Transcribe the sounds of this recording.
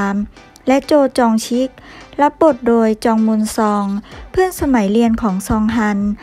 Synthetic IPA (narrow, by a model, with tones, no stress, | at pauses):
m | lɛ˦˥ʔt͡ɕoː˧˩t̪̚t͡ɕɔː˧ŋt͡ɕʰi˦˥k̚la˦˥p̚bo˨˩t̪̚doː˧jt͡ɕɔː˧ŋmu˧nsɔː˧ŋpʰɯ˥ə˨nsa˧ma˩˦jli˧ənkʰɔː˩˦ŋsɔː˧ŋɦa˧n